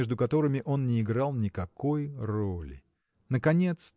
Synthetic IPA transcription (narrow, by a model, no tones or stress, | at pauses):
eʐd̪ʊkɐt̪o̞ɾɨmʲɪʔo̞nnʲɪːɡɾɑlˠnʲɪkɐkʰo̞jrolʲɪ̰ | nəkɐnʲe̞t̪s